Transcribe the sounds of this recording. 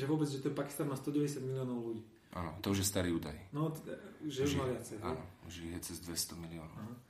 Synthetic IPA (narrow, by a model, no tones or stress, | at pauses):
ʒɛʋʊɔbɛd͡zʒɛt̪ɔpaki̥st̪anmaːst̪ɔɟɛʋɛɟɛs̬jad̪milijɔːnɔʊluɟiː | ʔa̰nɔ̰t̪ɔuʒjɛst̪aɾiːuːd̪ajnɔt̪ɛd̪aʒɛumaʋɪat͡sɛja̰nɔuʒiɦɛt͡sɛzd̪ʋɛst̪ɔmiliɔnɔanɔ